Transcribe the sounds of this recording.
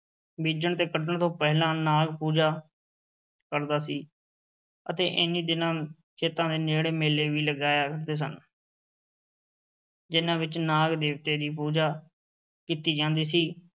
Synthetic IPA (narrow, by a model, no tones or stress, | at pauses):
biːd͡ʒəɳt̪eːkəʈəɳt̪õːpɛːɦlãːnaːɡpuːd͡ʒaː | kəɾd̪aːsiː | ət̪ḛːʔɪniːd̪ɪnãː | t͡ʃʰeːt̪ãːd̪eːneːɽeːmeːleːʋiːləɡaːjaːkəɾd̪eːs̬ən | d͡ʒɪnãːʋɪt͡ʃnaːɡd̪eːʋt̪eːd̪iːpuːd͡ʒaː | kiːt̪iːd͡ʒãːnd̪iːsiː